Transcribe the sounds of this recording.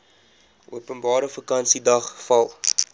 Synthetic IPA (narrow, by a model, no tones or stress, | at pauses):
ʔuəpənbɑːɾəfəkɐnsidɐχfɐlˠ